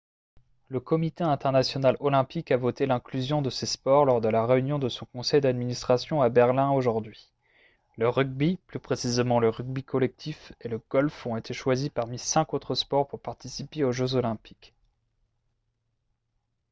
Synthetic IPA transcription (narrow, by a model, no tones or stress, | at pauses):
ləkɔmit̪eɛ̃t̪ɛʁnasjɔnalɔlɛ̃pikavot̪elɛ̃klyzjɔ̃d̪əsespɔʁlɔʁd̪əlaʁeynjɔ̃d̪əsɔ̃kɔ̃sɛjd̪ad̪minist̪χasjɔ̃abɛʁlɛ̃oʒuʁd̪ɥi | ləʁyɡ̚biplypχesizemɑ̃ləʁyɡ̚bikʰɔlɛk̚t̪ʰifeləɡ̥ɔlfɔ̃et̪ʰeʃwazipaʁmisɛ̃kot̪χəspɔʁpuʁpaʁt̪isipeoʒøzolɛ̃pi̥k